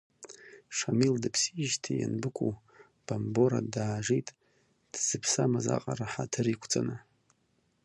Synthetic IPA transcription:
ʂamildɨpʰsiʒtʰija̰nbɨkʷʰʼu | b̥ambo̞ɾa̰daːʒijtʼ | d̥z̥ɨpʰsamaza̰qʼaɾaħatʰɨɾikʷʰt͡sʼanɨ

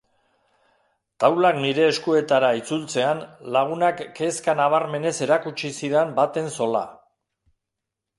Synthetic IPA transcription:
t̪awlakniɾe̞ːskue̞t̪aɾait͡sult͡se̞anlaɣ̞unakːe̞skanaβ̞aɾme̞ne̞se̞ɾakut͡ʃisiðembat̪e̞nso̞la̰

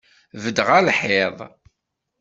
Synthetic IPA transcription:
vəd̪ʁælħeðˤ

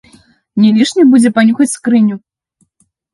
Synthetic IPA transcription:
nʲɛlʲiʂnʲɐbud͡zʲɛpanʲuxɐt͡sʲskɾɨnʲu

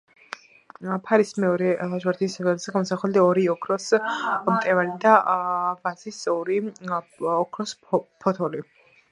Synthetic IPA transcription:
pʰaɾismɛɔɾɛlˠaʒwaɾd̪ʰisɛvɛlzɛɡamɔsaχɛld̪aɔɾiɔkʰɾɔsmt̪ʼɛvanid̪avazisɔɾi | ɔkʰɾɔspʰɔt̪ʰɔli

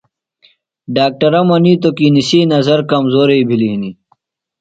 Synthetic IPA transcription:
ɖaːk̚ʈɐɾɐmɐniːt̪okinisiːnɐzɐɾkɐmzoːɾeibʱiliɦini

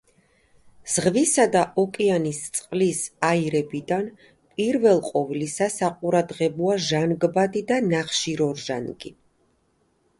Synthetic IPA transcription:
z̥ʁvisad̪aʔɔkʼianist̪sʼqʼlisaiɾɛbid̪an | pʼiɾvɛlˠqʼɔvlisasaqʼuɾad̪ʁɛbɔaʒanɡbad̪id̪anaχʃiɾɔɾʒanɡi

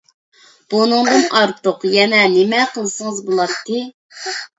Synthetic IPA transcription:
b̥unɨŋd̪ɨnɑɾt̪ʰʊqjɛnɛnɪmɛqʰəlˠɨsɨŋəzbolˠɑt̪ʰːɨ

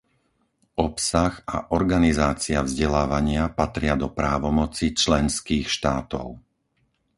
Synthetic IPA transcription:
ɔpsaɣa̰ʔɔɾɡanizaːt͡siavzɟɛlaːʋaɲɪapat̪ɾɪad̪ɔpɾaːʋɔmɔt͡sit͡ʃlɛnskiːxʃt̪aːt̪ɔ̰ʊ

